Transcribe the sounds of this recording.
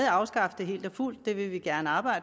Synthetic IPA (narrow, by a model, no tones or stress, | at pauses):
ð̩ˠɑ̈ʊsɡ̥ɑ̈fəd̥eɦe̝̰ːld̥ɒful̰d̥ːe̝ʋe̝ʋiɡ̥æɐnəɑ̈ːb̥ɑ̈ɪ̰̥